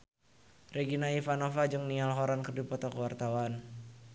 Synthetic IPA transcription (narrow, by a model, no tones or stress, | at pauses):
reɡinaifanofad͡ʒɨŋnialɦɔɾankərdipɔt̪ɔkəwart̪awan